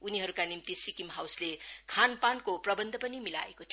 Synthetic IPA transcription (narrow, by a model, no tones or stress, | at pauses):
uniɦʌɾukanimt̪isikimɦawslekʰanpankoprʌbʌnd̪ʱʌpʌnimila̰ekot̪ʰ